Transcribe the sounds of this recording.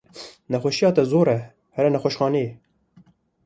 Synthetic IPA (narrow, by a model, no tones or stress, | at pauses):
nɛxʷɛʃijɑːt̪ɛzoːɾɛ | hɛɾɛnɛxʷoʃxɑːne